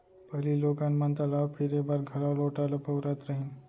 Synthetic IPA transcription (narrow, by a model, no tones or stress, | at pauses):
pɐliloːɡanmãnt̪alaːpʰɪɾeːk̚baːɾɡʱɐlaloːʈaːlapɐwɾat̪ɾɐɦĩn